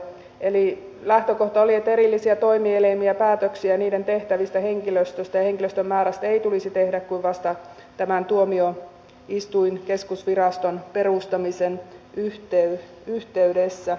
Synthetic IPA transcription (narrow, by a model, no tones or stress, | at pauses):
eli | læht̪økoht̪ɑoliet̪ːeɾilːisiæt̪oimielemiæpæːt̪øksiæniːdent̪eht̪æʋist̪æheŋkiløst̪øst̪æjɑheŋkiløst̪ømːæːɾæst̪æeit̪ulisit̪ehdækkuiʋʋɑst̪ɑ | t̪æmænt̪uomio | ist̪uinkeskusʋirɑst̪onperust̪ɑmisenyht̪ey | yht̪eydesːæ